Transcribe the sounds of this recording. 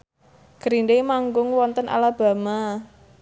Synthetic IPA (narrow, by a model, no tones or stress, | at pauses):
ɡ̥əɾindemaŋɡʊŋwɔnt̪ənʔa̰lab̥a̤ma